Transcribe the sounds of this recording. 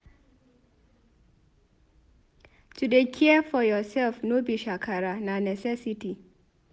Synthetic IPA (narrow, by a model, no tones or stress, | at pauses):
tʰudekʰiɛfɔjɔsɛlfnobiɕᶣakʰaɾanãnɛsɛsitʰi